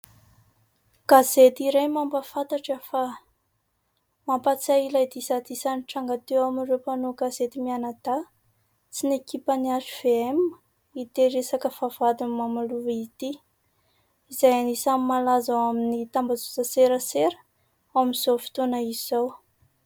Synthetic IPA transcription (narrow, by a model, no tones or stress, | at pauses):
ɡ̥azet̪iɾejmambəfat̪aʈ͡ʂəfa | mampat͡sailajd̪isad̪isaniʈ͡ʂaŋɡat̪ewaminrewpanoɡazet̪imianad̪̥a | t͡sinekipəniazuv̥eemə | it̪eɾesakəfav̥ad̪inmamaluvit̪i | izajanisamimalazawaminit̪ambazut͡saseɾəseɾə̥ | amz̥ofi̥t̪onaizizaw